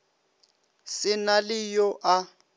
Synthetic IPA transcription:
sɪnalɪjɔʔa

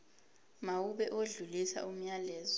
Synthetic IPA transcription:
mawuɓɛʔoɮulisa̰ʔum̩ɲalɛːzɔ

